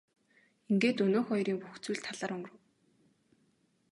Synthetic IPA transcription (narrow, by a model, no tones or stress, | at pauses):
iŋɡeːt̪ɵnoːxɔjɾiːŋpuxt͡suːɮt̪ʰaɮaːɾɵŋɡ̆rə̆w